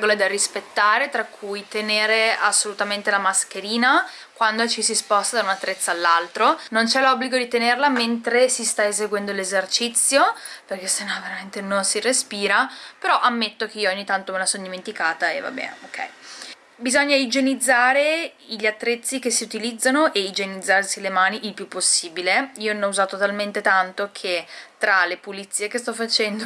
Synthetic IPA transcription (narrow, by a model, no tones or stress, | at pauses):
ɡoled̪arispet̪ːaːɾet̪ɾakʰːujt̪eneːɾeasːolut̪ament̪elamask̟eɾiːna | kwand̪ot͡ʃisispɔst̪ad̪aunat̪ːɾet̪sːaːlːalt̪ɾonont͡ʃɛlɔbːliɡod̪it̪enerlament̪ɾesist̪aezeɡwɛnd̪olezert͡ʃit̪sːjoperk̟esenɔveɾament̪enonsirespiːɾapeɾɔʔamːet̪ːok̟eiːooɲːit̪ant̪omelasond̪iment̪ikaːt̪aeva̰bɛ̰nokʰːɛ̰j | bizɔɲːaid͡ʒenid̪zːaːɾe | iʎːat̪ːɾet̪sːikesːiut̪ilid̪zːanoʔeid͡ʒenid̪zːarsilemaːniʔilpjupːosːiːbileioɔuzaːt̪ot̪alment̪et̪ant̪okʰet̪ɾalepulit̪sːiːekest̪ɔfːat͡ʃɛnd̪o